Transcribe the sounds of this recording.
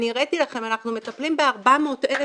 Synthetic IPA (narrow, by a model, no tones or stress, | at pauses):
niʁet̪ilaχe̞manaχnume̞t̪aplimbe̞aʁbamoːt̪ʔele